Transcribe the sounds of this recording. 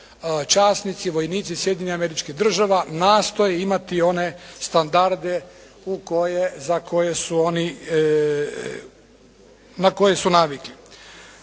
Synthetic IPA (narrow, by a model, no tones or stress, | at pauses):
t͡ʃaːsnit̪siʋo̞jniːt̪sisje̞d̪ɲeniameɾit͡ʃkiɦd̪r̩ʒaʋanaːst̪o̞jeimat̪io̞ne̞st̪and̪aɾd̪e̞ | ukojezakʰo̞jesuo̞ni | nako̞je̞sunaʋikli